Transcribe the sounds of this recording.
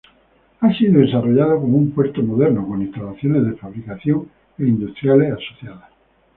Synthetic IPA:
asiðoðesaroʎaðakomumpwɛɾt̪omoðeɾnokoŋĩst̪alaθjonezðefaβɾikaθjoŋ | eind̪ust̪ɾjaleasoθjaða

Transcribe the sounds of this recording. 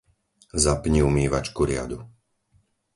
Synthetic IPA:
zapɲiumiːʋat͡ʃkuɾɪa̰d̪u

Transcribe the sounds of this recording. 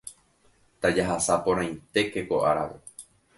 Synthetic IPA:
t̪ad͡ʒaɦasapõ̞ɾ̃ãj̃t̪e̞keko̞ʔaɾa̰ʋḛ

